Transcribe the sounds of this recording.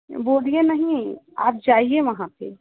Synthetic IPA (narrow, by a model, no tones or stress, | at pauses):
bolijenəɦĩa̰ːp̚d͡ʒaieməɦãt̪ʰḛ